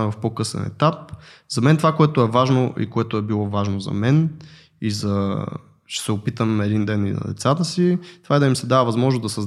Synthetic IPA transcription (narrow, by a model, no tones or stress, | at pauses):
ɛvɐfpokɤsɛ̰nɛ̰t̪ap | zɐmɛnt̪ovakoɛt̪ʊɛvaʒnoʔḭkoɛt̪ʊɛbilˠɔvaʒnozɐ̰mɛn | izɐ | ʃɛ̥sɛʊpit̪əmɛd̪ind̪ɛnḭnɐ̰d̪ɛ̰t̪sat̪əsit̪ovaɛd̪ɐimsɛd̪avɐvɐzmɔʒnozd̪ɐsɐzd̪